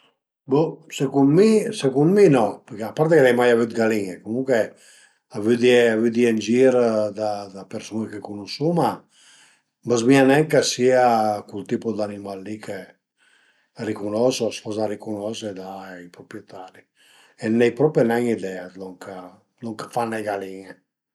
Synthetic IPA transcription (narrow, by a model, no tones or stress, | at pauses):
busekunmisekund̪minɔpəkeapːaɾt̪̬ekelɛjmajavyt̪ɡaliŋekomuŋkwe | avyd̪iɛavyd̪iɛnd͡ʒiɾd̪ad̪apeɾsunɛkekunusuma | mbəzmianɛŋkasiakult̪iːpɔd̪animalːikʰe | rikunɔsɔsfɔzaɾikunɔsɛd̪aipɾɔpɾjɛt̪ʰaɾi | ɛnːɛjpɾɔpɛnɛŋid̪ɛat̪lɔŋkʰa | lɔŋkḁfanːɛjɡaliŋe